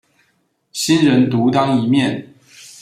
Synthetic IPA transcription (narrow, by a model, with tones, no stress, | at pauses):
ɕi˥nɻə˧˥nt̪u˨˥t̪ɑ˥ŋi˧˥mjɛ˥˨n